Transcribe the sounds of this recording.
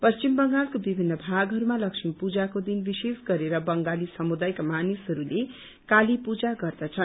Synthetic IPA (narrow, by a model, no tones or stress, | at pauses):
pʌst͡ʃimbʌŋɡalkobibʱinːʌbʱaɡɦʌɾumalʌksimpud͡zakod̪inbisesɡʌɾeɾʌbʌŋɡalisʌmud̪ajkamanisɦʌɾule | kalipud͡zaɡʌrd̪at͡sʰʌn